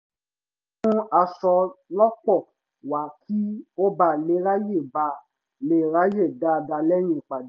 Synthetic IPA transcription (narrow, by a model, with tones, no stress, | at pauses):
nũ˦a˧sɔ˧lɔ˦k͡pɔ˦˨ | wa˨˦kʰi˦o˦ba˦˨le˨˦ɾa˦je˦˨ba˨ | le˧˦˨ɾa˦je˦˨da˨˦˧da˧lɛ˦j̃ĩ˧˨k͡pa˨d